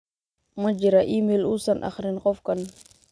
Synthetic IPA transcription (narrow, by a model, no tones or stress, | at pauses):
məd͡ʒiɾaʔimelusanʔa̰xɾinkɔfkan